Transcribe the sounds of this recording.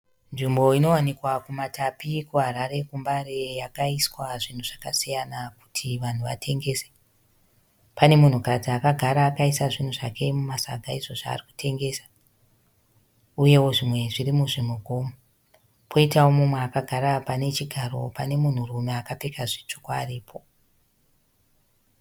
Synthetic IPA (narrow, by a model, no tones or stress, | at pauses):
nʐimbo̞ino̞wanikwakumatapikuɦaɾaɾe̞kumbaɾe̞jakaiswaʐin̤uʐakasijanak̚u̥tʰiʋan̤uʋa̰tʰe̞ŋɡe̞ːse̥ | pane̞mun̤ukatiakaɡʱaɾaːkaisaʐin̤uʐakʰe̞mumasa̰ɡʱaizo̞ʐa̰ːriku̥tʰe̞ŋɡeːsḁ | uje̞wo̞ʐimwe̞ʐirimuʐimwuɡʱoːmu | pʰo̞itawomumweakaɡʱaɾapane̞t͡ʃiɡʱaro̞̰pane̞mun̤urumeakapekʰaʐit͡ʂokwaːriːpʰo